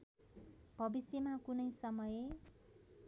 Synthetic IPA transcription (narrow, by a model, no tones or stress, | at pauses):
bʱʌbisjʌmakunʌjsʌmʌje